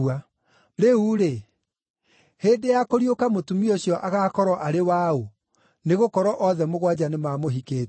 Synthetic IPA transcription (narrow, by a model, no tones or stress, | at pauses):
a | ɾeuɾe | hedejakoɾiokamotumioɕjɔʔaɣaːkɔɾɔʔaɾewao | neɣokɔɾɔʔɔðɛmoɣwad͡ʑanemaːmoɦikeː